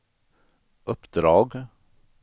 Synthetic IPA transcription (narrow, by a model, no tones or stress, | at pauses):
ʔɔpd̪ɾɑːɡ